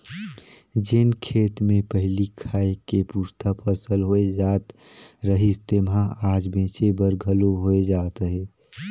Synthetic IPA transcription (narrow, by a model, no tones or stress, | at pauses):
d͡ʒɪnkʰeːt̪mẽpəɦlikʰaːekepuːɾt̪ʰapʰəsəlɦoːed͡ʒaːt̪ɾəɦist̪emɦãaːd͡ʒbẽːt͡ʃebəɾɡʱəloɦoed͡ʒaːt̪ɦɛː